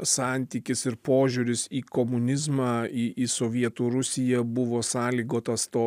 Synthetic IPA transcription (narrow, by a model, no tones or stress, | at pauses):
ssɑːˑnʲt̪ʲiːkʲɪsɪɾpoːʒʲuːɾʲɪsiːkomʊnʲɪzmɑɪʔisoʋʲiɛt̪uːɾʊsʲɪjɛbʊʋoːsɑːlʲiːɡoːt̪ɐst̪oː